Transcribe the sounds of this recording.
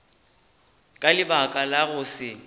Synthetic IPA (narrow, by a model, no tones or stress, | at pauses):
kʼalɪbakʼalaɣʊsɪ